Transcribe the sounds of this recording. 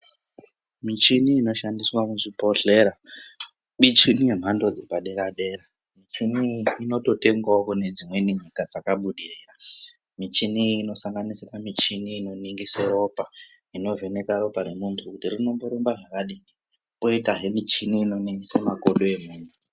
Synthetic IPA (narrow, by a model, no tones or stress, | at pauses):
mit͡ʃiniːno̞ʃandiswamuʐipo̞ɬeɾa | ɓit͡ʃinije̞m̤andod͡zepaɗe̞ɾaɗe̞ɾa | mit͡ʃiniino̞to̞te̞ŋɡwakune̞d͡zimwe̞niɲikad͡zakaɓuɗiriːra | mit͡ʃiniːno̞saŋɡanisiramit͡ʃiniːno̞niŋɡisero̞pa | ino̞ve̞ne̞kaɾo̞pane̞muntʰukutirino̞mboɾombaʐakaɗii | poitaɦe̞mit͡ʃiniːno̞niŋɡisemakoɗoe̞muːntʰu